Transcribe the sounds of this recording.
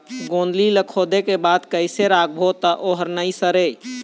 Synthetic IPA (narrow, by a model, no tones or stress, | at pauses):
ɡõnd̪liləkʰod̪ekebad̪kəɪseɾak̚ʰbʱot̪əʔoɦəɾnəisəɾe